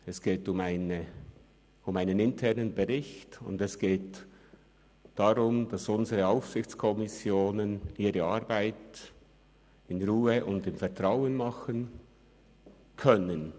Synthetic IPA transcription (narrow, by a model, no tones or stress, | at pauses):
ɛsɡ̥eːtʊmaɪnə | ʊmaɪnənɪntʰɛʁnənbɛʁɪçtʊ̰ndɛsɡ̥eːt | d̥aʁʊmd̥ɑsʊnzəʁəaʊfsɪçt͡skʰɔmɪsjoːnəniːɾəɑɾbaɪt | ɪnʁuːəʔʊndɪmfɛɐtʁ̥aʊənmɑχən | kʰœnən